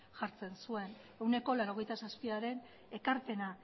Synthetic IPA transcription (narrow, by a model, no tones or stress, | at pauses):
ʝaɾt͡se̞nsue̞n | e̞wne̞ko̞laɾo̞ɣ̞e̞jt̪asaspiaɾe̞n | e̞kaɾpe̞na